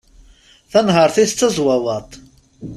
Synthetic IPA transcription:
θænɦəɾˤθist͡sːəzˤwɑwɑt̪ˤ

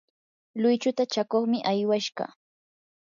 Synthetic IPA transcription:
lʊjt͡ʃʊt̪at͡ʃakoχmɪʔajwaʃɢɑ̰

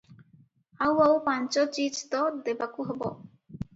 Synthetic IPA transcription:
awawpant͡ʃɔt͡ʃid͡ʒt̪ɔd̪ebakuɦebɔ̰

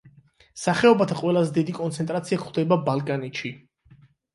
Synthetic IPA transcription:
saχɛɔbat̪ʰaqʼwɛlˠazɛd̪id̪ikʼɔnt̪sʰɛnt̪ʼɾat̪sʰiakχwd̪ɛbabalˠkʼanɛtʃi

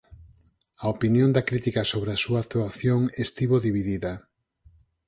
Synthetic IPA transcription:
ɐopinjõnd̪ɐkɾit̪ikasoβɾɪasuak̚t̪uaθjoŋest̪iβoðiβiðiðɐ

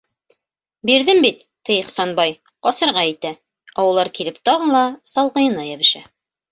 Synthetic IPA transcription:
biɾðɘmbit̪ːɘjiqsɑnbɑj | qɒsɤ̆ɾʁɑit̪æ | ɒwɤ̆lˠɑɾkilɘp̚t̪ɒʁɤ̆lˠɑsɑlˠʁɤ̆jɤ̆nɑjæβɘ̆ʃæ

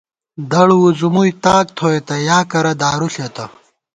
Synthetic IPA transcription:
d̪ɐɽuwuzumujt̪aːk̚t̪ʰoːet̪ɐjaːkɐɾɐd̪aːɾuɬjɐt̪ɐ

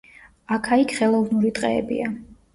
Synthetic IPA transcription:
akʰaikʰχɛlˠɔvnuɾit̪ʼqʼɛ̰ːbḭa

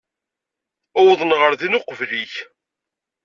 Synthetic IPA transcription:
æwðˤnʁəɾðinʊqvliç

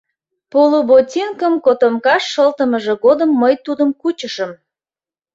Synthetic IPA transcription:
polobotʲinkəmkot̪omkɑʃːəlt̪əməʒĕɣod̪əmːəjt̪ud̪əmkut͡ɕəʃəm

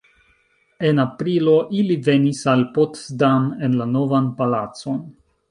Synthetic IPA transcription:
e̞napɾilo̞ʔilive̞nisalpotsdamenlano̞vanpalat͡so̞n

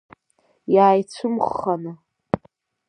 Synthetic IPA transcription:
jaːjt͡sʷʰɨmχːana

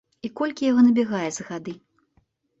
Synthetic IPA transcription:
ikɔlʲkʲijaɣɔnɐbʲɛɣajɛzɐɣad̪ɨ

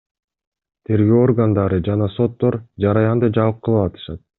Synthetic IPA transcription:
t̪ʰe̞ɾɡøːo̞rɡand̪ɑɾɯd͡ʒɑnɑso̞t̪ːo̞ɾd͡ʒɑɾɑjɑnd̪ɯd͡ʒɑvɯq̚qʰːɯlˠɯɑt̪ʰɯ̥ʃɑt̪̚

